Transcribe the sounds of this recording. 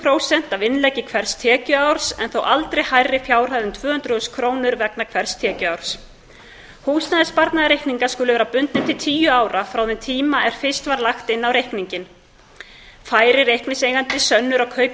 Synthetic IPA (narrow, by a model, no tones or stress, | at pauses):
pʰɾoːwsɛn̥t̪avɪnlɛcɪkʰvɛɾ̥st̪ʰɛːcʏawɾ̥sɛ̰nθowʔalt̪ɾejhajrːɪfjaːwr̥ajðʏmt̪ʰvœːhʏnt̪ɾʏʏskʰɾoːwnʏɾvɛknakʰvɛɾ̥st̪ʰɛːcʏawɾ̥s | huːsnaðɪspaɾt̪naðaɾejhkniŋkaskʏːlɪvɛːɾapʏnt̪nɪmt̪ʰɪlt̪ʰiːjʏaːwɾafɾaːwðɛnt̪ʰiːmaʔɛɾ̥fɪst̪vaɾlaxt̪ɪnːawɾejhkniɲcɪn | faːjɾɪɾejhknɪsejɣant̪ɪsœnːʏɾawkʰœːɥp